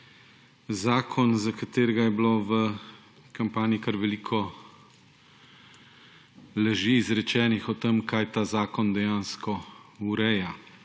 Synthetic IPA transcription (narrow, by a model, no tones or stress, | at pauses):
zaːkʰɔnzakat̪eːɾɛɡajɛbloːʋə | kampaːniikaɾʋɛlikʰɔ | lɛʒiːzɾɛt͡ʃɛːnixɔt̪emkajt̪aːzaːkɔnd̪ɛjanskɔuɾɛja